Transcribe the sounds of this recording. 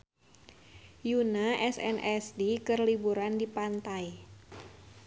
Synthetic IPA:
junaʔɛsɛ̰nʔɛsdikərlibuɾandipant̪aj

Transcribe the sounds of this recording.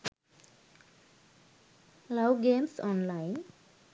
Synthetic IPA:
laʊɡeːmsɔnlaɪn

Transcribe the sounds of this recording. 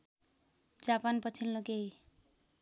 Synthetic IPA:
d͡zapanpʌt͡sʰilnokej

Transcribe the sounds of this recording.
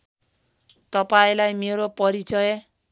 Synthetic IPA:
t̪ʌpaĩlajmeɾopʌɾit͡sʌje

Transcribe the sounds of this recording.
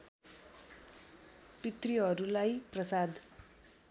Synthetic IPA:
pit̪riɦʌɾulajprʌsad̪

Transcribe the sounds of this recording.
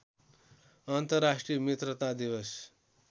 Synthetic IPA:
ant̪ʌɾasʈɾijəmjet̪ɾət̪ad̪iʋəs

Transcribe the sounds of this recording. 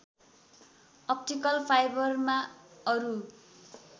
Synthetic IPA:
ʌp̚ʈikʌlpʰajbʌrmaʌɾu

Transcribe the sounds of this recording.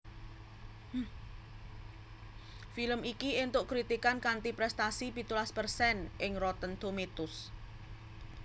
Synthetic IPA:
filəmikient̪ʊʔkɾit̪ikankant̪ipɾɛst̪asipit̪ulaspərsɛnʔɪŋrɔt̪ənt̪omet̪ʊs

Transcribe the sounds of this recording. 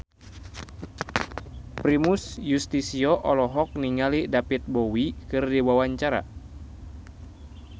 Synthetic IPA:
pɾimusjust̪isiɔʔɔlɔɦɔk̚niŋalidapit̪̚bɔwikɨrdiwawaɲt͡ʃaɾa̰

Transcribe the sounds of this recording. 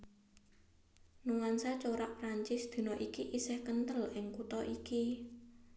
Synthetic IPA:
nuŋansat͡ʃoɾaʔpɾaɲt͡ʃɪsd̪̥i̤nɔʔikiʔisɛhkənt̪əlʔɪŋkut̪ɔʔiki

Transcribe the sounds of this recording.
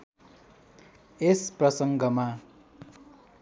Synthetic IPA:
esprʌsʌŋɡʌma

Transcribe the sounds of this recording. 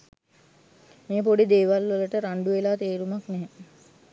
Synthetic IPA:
meːpoɖid̪eːʋalʋələʈəɾaɳɖuʋelaːt̪eːɾumaknɛɦe

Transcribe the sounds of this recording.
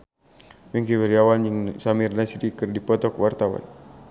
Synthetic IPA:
mɛŋkiwɛɾiawanjŋsamirnasɾikɨrdipɔt̪ɔkwart̪awa̰n

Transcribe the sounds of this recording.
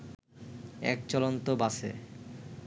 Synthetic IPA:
ɛ̰k̚t͡ɕɔlont̪obasḛ

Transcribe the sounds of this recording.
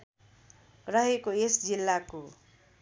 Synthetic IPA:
rʌɦekoesd͡zilːako

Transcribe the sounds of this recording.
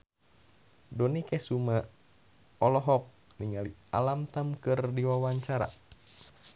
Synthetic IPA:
dɔnikɛsuma | ɔlɔɦɔk̚niŋalia̰lamt̪amkɨrdiwawaɲt͡ʃaɾa̰

